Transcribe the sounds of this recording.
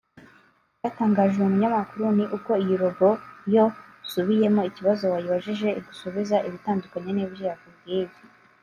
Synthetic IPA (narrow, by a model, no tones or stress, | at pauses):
jaːtaːŋɡaːʒeumuɲamakuɾuniʔuko̞ijiɾo̞ɡo̞jo̞suβije̞mo̞iciβazo̞wajuβaʒiʒe̞iɡusuβizaʔiβitaːndukaɲe̞niːbjejakubɡiːbi